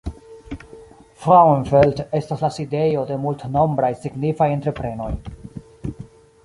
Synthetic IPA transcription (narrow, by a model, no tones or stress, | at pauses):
fʁawenfelte̞staslaside̞jo̞de̞multno̞mbɾajsiɡnifaje̞ntɾe̞pɾe̞no̞̰j